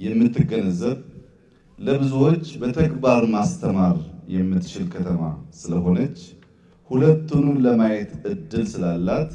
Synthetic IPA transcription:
jɛmːɨt̪ːɨɡənəzːəβ | ləβɨzuwo̞t͡ʃːbət̪ʰəɡbaɾmast̪ʰəmaɾjɛmːɨt̪ːt͡ʃɪlkʰət̪ʰəma̰sɨləɦo̞nət͡ʃː | hulət̪ʰːunuləmajɛt̪ɨd̪ːɨlsɨlalːat̪

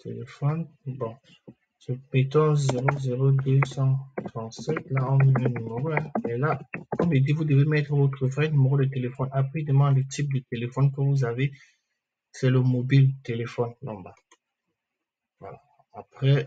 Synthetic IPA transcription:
t̪elefɔnbɔ̃ | səpet̪ɔ̃zeʁozeʁod̪øsɑ̃t̪ʁɑ̃t̪sɛt̪laɔ̃nivɛ̃nymeʁoɛ̃mɛlakɔmʒed̪ivud̪əvemɛt̪χəvot̪χəfʁɛnymeʁolət̪elefɔnapχɛid̪əmɑ̃d̪lət̪ip̚d̪ət̪elefɔnkəvuzave | sɛləmobilt̪elefɔnːɔ̰̃ba | vwa̰la̰ː | pχɛ

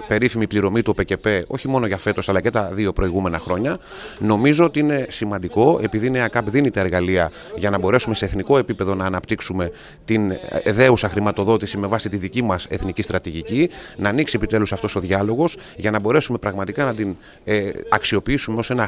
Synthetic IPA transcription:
pe̞ɾifimipliɾo̞mit̪uope̞ce̞pe̞o̞̰çimo̞no̞ʝɐfe̞t̪o̞sɐlɐcet̪ɐðio̞pɾo̞iɣume̞nɐxɾo̞ɲɐ | no̞mizo̞ot̪iine̞simɐnd̪iko̞e̞piðineɐkɐpðinit̪eeɾɣɐliɐ | ʝɐnɐbo̞ɾe̞sume̞se̞ːθniko̞e̞pipe̞ðo̞nɐːnɐpt̪iksume̞ | t̪inðe̞usɐxɾimɐt̪o̞ðo̞t̪isime̞vɐsit̪iðicimɐse̞θnicist̪ɾɐt̪iʝicinɐːniksie̞pit̪e̞lusɐft̪o̞so̞ðʝɐlo̞ɣo̞z | ʝɐnɐbo̞ɾe̞sume̞pɾɐɣmɐt̪ikɐnɐd̪in | ɐksio̞piisumeo̞se̞nɐ

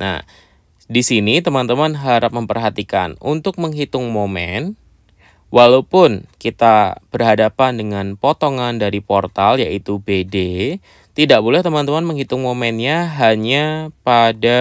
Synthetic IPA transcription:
na̰ | disinit̪əmant̪əmanɦaɾap̚məmpərɦat̪ika̰nṵnt̪ʊk̚məŋɦit̪ʊŋmomɛn | wʔalawpʊnkit̪ab̥ərɦadapandəŋanpot̪oŋandaɾipɔrt̪aljaʔit̪ubede | t̪idaʔ̚bolɛht̪əmant̪əmanməŋɦit̪ʊŋmomɛnɲaɦaɲapada

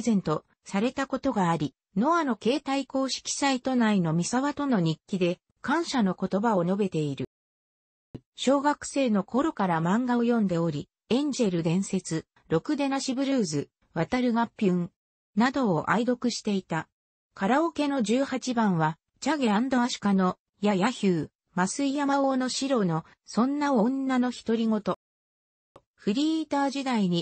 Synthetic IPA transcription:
zẽ̞nt̪o̞ | saɾe̞t̪ako̞t̪o̞ɡaːɾʲi | no̞ano̞ke̞ːt̪aiko̞ːɕi̥kʲi̥sait̪o̞naino̞mʲisaβat̪o̞no̞ɲ̟ikʲːid̪e̞ | kãɰ̃ɕano̞ko̞t̪o̞baono̞be̞t̪e̞iɾɯ̟ | ɕo̞ːɡakɯ̟̥se̞ːno̞kʰo̞ɾo̞kaɾamãŋɡaojõ̞nd̪e̞o̞ɾʲi | ẽ̞ɲ̟d͡ʑe̞ɾɯ̟d̪ẽ̞ɰ̃se̞t͡sɨ | ɾo̞kɯ̟d̪e̞naɕibɯ̟ɾɯ̟ːzɨ | βat̪aɾɯ̟ɡapʲːɯ̃n | nad̪o̞ːʔaid̪o̞kɯ̟ɕi̥t̪e̞it̪a | kaɾao̞ke̞no̞ʑɨːhat͡ɕibãɰ̃βa | t͡ɕaɡe̞and̪o̞aɕɨ̥kano̞ | jajaçɯː | masɨijamaono̞ɕiɾo̞no̞ | sõ̞nːaõnːano̞çi̥t̪o̞ɾʲiŋo̞t̪o̞ | ɸɯɾʲit̪aːʑid̪aiɲ̟i

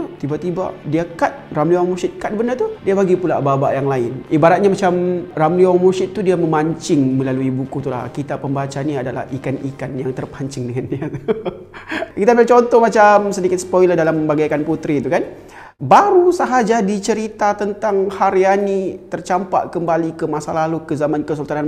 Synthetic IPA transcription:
t̪ibat̪iba̰diakat̪̚ramliaŋmursɪt̪̚kat̪̚bəndat̪udiabaɡipula̰babaʔjaŋlaɪnibaɾat̪̚ɲamat͡ʃamramliwaŋmursɪt̪ːudiaməmaɲt͡ʃɪŋməlaluibukut̪ula̰kit̪apːəmbat͡ʃaniadala̰hikanikanjaŋt̪ərpaɲt͡ʃɪŋdəŋandiat̪u | kit̪aat͡ʃɔnt̪ɔhmat͡ʃamsədikɪt̪sə̥pɔilahdalaməmbaɡakanput̪ɾit̪ukan | baɾusaɦad͡ʒadit͡ʃəɾit̪at̪ənt̪aŋhaɾjanit̪ərt͡ʃampa̰ʔkəmbalikəmasalalukəzamankəsulut̪anan

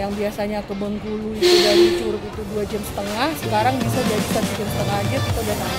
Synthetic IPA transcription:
jaŋbiasaɲakəbəŋkuluit̪udadit͡ʃuɾʊk̚it̪uduad͡ʒəmsə̥t̪əŋahsəkaɾaŋbisad͡ʒadisat̪ud͡ʒəmsə̥t̪əŋahd͡ʒɪrkit̪adat̪a

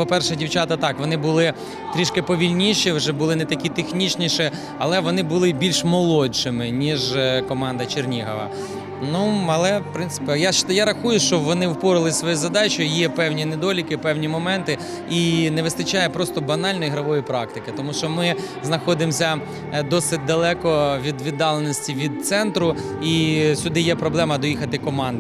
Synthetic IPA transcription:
pɔpɛrʃɛdʲiwt͡ʃɑt̪ɐt̪ɑkʋɔnɪbʊlˠɪ | t̪ɾʲiʃkɪpɔʋʲilʲnʲiʃiwʒɛbʊlˠɪnɛt̪ɐkʲit̪exnʲit͡ʃnʲiʃɪ | ɐlˠɛʋɔnɪbʊlˠɪbʲilʲʃmɔlˠɔt͡ʃɪmɪnʲiʒkɔmɑnd̪ɐt͡ʃernʲiɦɐ̰ʋɐ̰ | nuɐlˠɛpɾɪntsɪ̥pʲijaʃjaɾɐxujʊʃt͡ʃɔʋɔnɪwpɔɾɪlˠɪsʋɔjɛzɐd̪ɑt͡ʃɔjijɛpɛwnʲined̪ɔlʲikɪpɛwnʲimɔmɛnt̪ɪ | inɛʋɪst̪ɐt͡ʃɑjɛpɾɔst̪ɔbɐnɑlʲnɔjiɦɾɐʋɔjipɾɑk̚t̪ɪkɪt̪ɔmuʃt͡ʃɔmɪ | znɐxɔd̪ɪmsʲɐ | d̪ɔsɪt̚ʲd̪ɐlˠɛkɔʋʲid̪ʋʲid̪ːɑlˠenɔsʲtʲiʋʲid̪̚t̪sɛnt̪ɾʊ | isʲʊd̪ɪjɛpɾɔblˠɛmɐd̪ɔjixɐt̪ɪkɔmɑnd̪

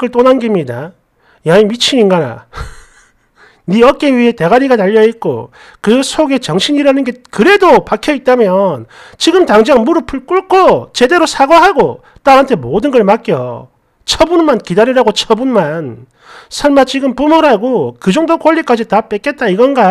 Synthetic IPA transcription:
kɯɭt͈onanɡimɲida | jaimit͡ɕʰiɲinɡana̰ | niʌk͈iɥiɦe̞te̞ɡaɾiɡanaʎːʌit̚k͈o̰ | kɯsʰoɡe̞t͡ɕʌŋɕʰiɲiɾanɯnɡe̞kɯɾe̞dopakʰjʌit̚t͈amjʌn | t͡ɕiɡɯmtaŋd͡ʑaŋmuɾɯpʰɯɭk͈uɭkʰot͡ɕe̞de̞ɾosʰaɡʌɦaɡo | t͈aɾɦantʰe̞modɯnɡʌɭmak͈jʌ̰ | t͡ɕʰʌbunmankidaɾiɾaɡot͡ɕʰʌbunman | sʰʌɭmat͡ɕiɡɯmpumʌɾɦaɡokɯd͡ʑʌŋdokoʎːik͈ad͡ʑitap͈ek͈e̞t̚t͈aiɡʌnɡa

